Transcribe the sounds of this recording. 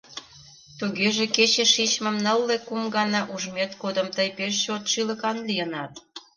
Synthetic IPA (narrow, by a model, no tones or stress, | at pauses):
t̪uɣeʒeket͡ɕeʃit͡ɕmə̆mnəlːekumɡɑnɑʔuʒmet̪kod̪əmt̪əjpeʃt͡ɕot̪ʃiləkɑnlijənɑt̪̚